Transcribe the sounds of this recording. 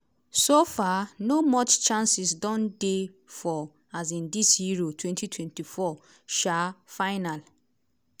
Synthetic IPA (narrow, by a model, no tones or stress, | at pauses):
sofanomɔt͡ʃt͡ʃãnsisdɔ̃nde | fɔ | az̬ĩndishiɹotʰwɛ̃ntitʰwɛ̃ntifɔ | ʃafaɪnal